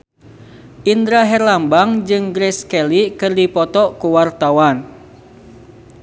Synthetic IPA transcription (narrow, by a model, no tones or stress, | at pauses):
ʔind̪ɾaɦɛrlambaŋd͡ʒɨŋɡɾɛskɛlikɨrdipɔt̪ɔkuwart̪awan